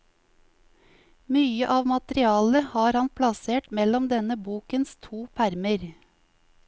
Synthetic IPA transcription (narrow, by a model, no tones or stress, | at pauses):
myːəʔɑːʋmɑt̪ɾɪɑːləhɑːɾhɑnpʰlɑseːʈmɛlɔmd̪ɛnəbuːkənst̪ʰuːpʰæɾməɾ